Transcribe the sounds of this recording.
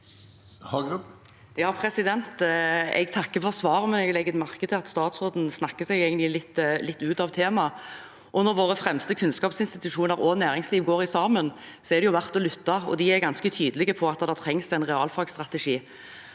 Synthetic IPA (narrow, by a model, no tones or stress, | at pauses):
jɑːpʰɾɛsɪd̪ɛnt̪ɛ̰ɡt̪ʰɑkːəfɔʁsʋɑːʁəmɛnɛɡlɛɡːət̪mɑʁkəd̪ʰɪlɑt̪st̪ɑːt̪sʁoːd̪n̩snɑkːəsɛɡæɪɡənt̪lɪlɪt̪ːlɪt̪ːʉːt̪ɑʋt̪ʰeːmɑ | ʔɔnɔɾʋoːʁəfɾɛmst̪əkʰʉnskɑːpsɪnst̪ɪt̪ʉʂuːnəʁɔnæːɾɪŋsliːʋɡoːʁɪsɑːmən | sɔɛʁd̪ɛjʊʋæʁt̪ɔlʏt̪ːɑɔ̰d̪iæɾɡɑnskət̪ʰyːd̪əlɪɡəpʰɔɑt̪ːd̪ɑt̪ʰɾɛŋsæɪnʁɛɑːlfɑɡst̪ʁɑt̪ɛʂiː